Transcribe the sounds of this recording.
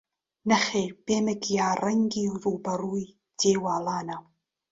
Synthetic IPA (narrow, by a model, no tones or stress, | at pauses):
nəχeb̥eməɡiaɾəŋɡiwrubaɾuɨ | d̥ewalˠana